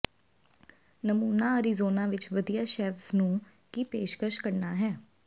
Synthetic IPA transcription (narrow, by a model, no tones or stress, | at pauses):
nəmuːnaːəɾizoːnãːʋɪt͡ʃʋəd̪ijaːʃɛːʋsnũː | kiːpeːʃkəʃkəɾnaːɦɛː